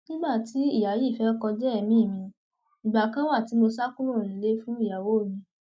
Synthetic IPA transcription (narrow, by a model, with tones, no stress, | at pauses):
nĩ˦ɡ͡ba˦˨ti˨˦i˦˨ja˨ji˦˨fɛ˨˦kɔ˧d͡ʒɛ˦ɛ˦˨mĩ˦˨mĩ˧ | ĩ˨ɡ͡ba˨kã˦wa˦˨ti˨˦mo˧sa˦kũ˦lo˦˨nĩ˨˦le˦fũ˦i˦˨ja˨wo˨˦˨jĩ˧